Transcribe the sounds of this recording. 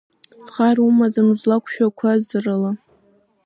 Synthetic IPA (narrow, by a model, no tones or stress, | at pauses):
χarumazamzʷlakʷʰʃᶣakʷʰazɨrala